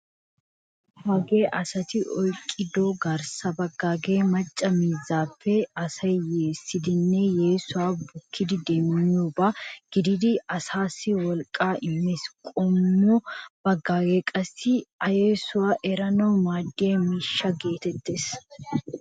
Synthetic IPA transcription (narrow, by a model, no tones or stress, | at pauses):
haːɡe̞ːʔɐsɐt̪ɪʔɔjkʼːɪd̪oɡɐɾsɐbɐɡːaːɡeːmɐt͡ʃʼːɐmiːzːaːfːɛɐsɐjjeːsːɪd̪ɪnːɛje̞ːsʊwaːbʊkʰːɪd̪ɪd̪eːmɪɲːuːbaɡ̥ɪd̪ɪd̪ɪɐsaːsːɪwɔlkʼaːʔɪmːɛskʼɔmːob̥ɐɡːaːɡe̞ːkʼɐsːɪɐjeːsʊwaːʔɛɾɐnɐwmaːd̪ːɪemiːʃːɐɡe̞ːt̪ɛt̪ːeːs